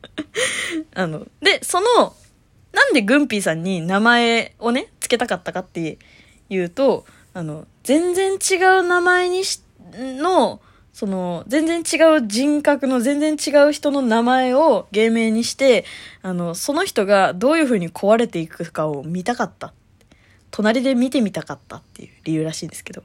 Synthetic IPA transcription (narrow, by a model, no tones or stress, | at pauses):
ano̞̰d̪e̞so̞no̞ | nãnd̪e̞ɡɯ̟̃mpʲiːsãɲ̟ːinamae̞o̞ne̞t͡sɨ̥ke̞t̪akat̪ːakat̪ːe̞ | jɯ̟ːt̪o̞ | ano̞d͡zẽ̞nd͡zẽ̞ɲt͡ɕiɡaɯ̟namae̞ɲ̟iɕ | no̞ | so̞no̞zẽ̞nd͡zẽ̞ɲt͡ɕiɡaɯ̟d͡ʑĩŋkakɯ̟no̞zẽ̞nd͡zẽ̞ɲt͡ɕiɡaɯ̟çi̥t̪o̞no̞namae̞o̞ɡe̞ːme̞ːɲ̟iɕi̥t̪e̞ano̞so̞no̞çi̥t̪o̞ɡad̪o̞ːjɯ̟ɸɯ̟ːɲ̟ikʰo̞βaɾe̞t̪e̞ikɯkao̞mʲit̪akat̪ːat̪ | t̪ʰo̞naɾʲid̪e̞mʲit̪e̞mʲit̪akat̪ːa̰t̪ːe̞̰jɯ̟̰ɾʲijɯ̟ːɾaɕĩːnd̪esɨ̥ke̞d̪o̞